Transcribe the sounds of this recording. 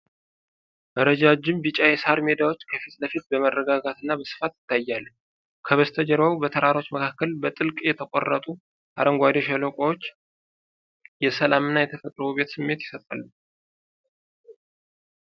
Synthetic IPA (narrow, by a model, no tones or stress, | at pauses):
ʔəɾəd͡ʒad͡ʒɪmbɨt͡ʃʼajɛsaɾme̞d̪awo̞t͡ʃːkʰəfit̪ləfit̪̚bəmərːəɡaɡat̪ɨnːabəsɨ̥fat̪jɪ̥t̪ʰːajːal | kʰəβəst̪ʰəd͡ʒəɾawubət̪ʰəɾaɾo̞t͡ʃːməkʰakːəlbət̪ʼɨlkʼjɛt̪ʰəkʷʼo̰rːət̪ʼu | ʔa̰ɾəŋɡʷad̪o̞ʃɛlokʷʼowot͡ʃː | jɛsəlamɨnːajɛt̪ʰəfət̪ʼɾəbube̞t̪sɨmːe̞t̪jɪsət̪ʼa̰lːu